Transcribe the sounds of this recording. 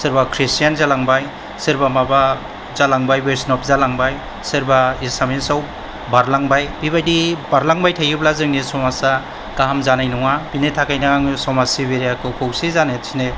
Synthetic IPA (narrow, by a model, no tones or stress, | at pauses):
sɯɾbakʰɾistijanzalaŋbaj | sɯɾbamaba | zalaŋbajbeɾsnɔpzalaŋbaj | sɯɾbaisamensaw | baɾlaŋbajbibajdibaɾlaŋbajtʰajɯblazɯŋnesɔmasa | kaɦamzanajnɔŋapinetʰakajnaŋaŋsɔmasibeɾijakʰɯkʰowsizant̚sʰine